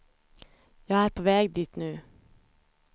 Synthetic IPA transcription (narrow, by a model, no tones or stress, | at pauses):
jæɪæːɾpʰoːʋeːɡd̪iːt̪nʉː